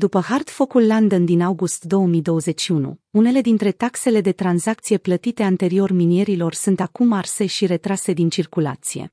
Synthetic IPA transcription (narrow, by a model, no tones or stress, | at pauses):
d̪upəhard̪fo̞kulːand̪ənd̪inawɡust̪d̪o̞wəmijd̪o̞wəze̞t͡ʃʲʃiunṵune̞le̞d̪int̪ɾe̞t̪akse̞le̞d̪e̞t̪ɾanzak̚t̪sije̞plət̪it̪e̞ant̪e̞ɾio̞rminie̞ɾilo̞rsunt̪akumarse̞ʃiɾe̞t̪ɾase̞d̪int͡ʃirkula̰t̪sije̞̰